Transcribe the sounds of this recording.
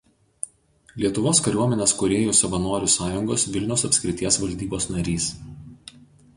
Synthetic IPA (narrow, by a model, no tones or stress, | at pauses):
lʲiɛt̪ʊʋoːskɐɾʲuɔmʲɛnʲeːskʊɾʲeːjoːsɐʋɐnoːɾʲʊsɑːjʊŋɡoːsʋʲɪlʲnʲɛʊsɐpʲsʲkʲɾʲɪt̪ʲiɛsʋɐlʲd̪ʲiːboːsnɐɾʲiːs